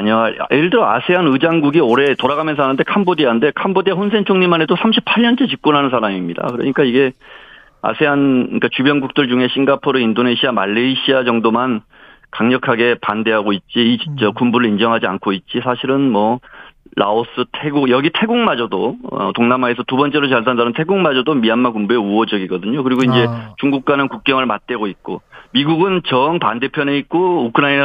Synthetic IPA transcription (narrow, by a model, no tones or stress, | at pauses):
aɲaʔeɾɯɭdɯɾʌa̰sʰe̞ɦanɯd͡ʑaŋɡuɡioɾe̞toɾaɣamjʌnsʰʌɦanɯnde̞kʰambodiannde̞kʰambodiaɸonsʰe̞nt͡ɕʰoŋɲimanɦe̞dosʰamɕʰipʰaɭɲʌnt͡ɕ͈et͡ɕik̚k͈unɦanɯns̬ʰaɾamimɲida̰kɯɾʌ̰ɲik͈aiɡe̞ | a̰sʰe̞ɦank͈at͡ɕubjʌnɡuk̚t͈ɯɭd͡ʑuŋe̞ɕʰiŋɡapʰoɾɯindone̞ɕʰiamaɭːeiɕʰiad͡ʑʌŋdoman | kaŋɲʌkʰaɡe̞pande̞ɦaɡoit̚t͡ɕ͈iːt͡ɕʌkumbuɾɯɭind͡ʑʌŋɦad͡ʑiankʰoit̚t͡ɕ͈isʰaɕʰiɾɯnmʌɭaos͈ʰɯtʰe̞ɡujʌɡitʰe̞ɡuŋmad͡ʑʌdoʌ̰toŋnamaesʰʌtubʌnt͡ɕ͈e̞ɾot͡ɕʌɭs̬ʰandanɯntʰe̞ɡuŋmad͡ʑʌdomianmakumbue̞uʌd͡ʑʌɡiɡʌdɯɲokɯɾiɡoind͡ʑe̞t͡ɕuŋɡuk̚k͈anɯnkuk̚k͈ʌŋɯɭmat̚t͈we̞ɡoit̚k͈omiɡuɡɯnt͡ɕʌŋpande̞pʰjʌneit̚k͈oukʰɯnain